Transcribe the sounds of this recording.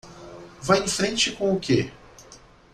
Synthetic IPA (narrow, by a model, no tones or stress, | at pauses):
vajẽfɾẽnt͡ʃɪkõʊke